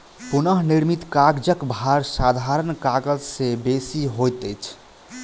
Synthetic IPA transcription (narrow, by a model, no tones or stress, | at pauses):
punəɦniɾmit̪kaɡd͡ʒəkbʱaɾsad̪ʱaɾənkaɡəd͡ʒsebesiɦojt̪əjt͡ʃʰ